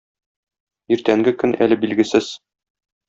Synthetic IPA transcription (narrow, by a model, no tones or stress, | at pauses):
iɾt̪æŋɡɘkɵnʔæ̰lɘbilɡɘ̆sɘz̥